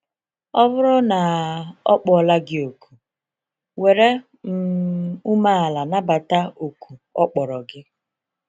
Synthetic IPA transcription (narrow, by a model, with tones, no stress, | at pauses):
ɔ˦vʊ˦ɾɔ˦na˨ɔ˦k͡pɔ˨la˦ɡɪ˦o˨ku˨ | we˨ɾe˦ | m̩˨u˦ma˦a˨la˨na˦ba˨ta˦o˨ku˨ɔ˦k͡pɔ˨ɾɔ˨ɡɪ˦